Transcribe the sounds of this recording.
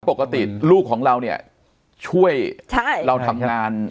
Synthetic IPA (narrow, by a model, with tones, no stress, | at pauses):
po˨˩kːa˧t̪ḭ˨˩luː˥˩kʰːɔː˩˦ŋɾa˧wni˥˩ɐ | t͡ɕʰu˥˩əjt͡ɕʰa˥˩ɾa˧wt̪ʰa˧mŋaː˧n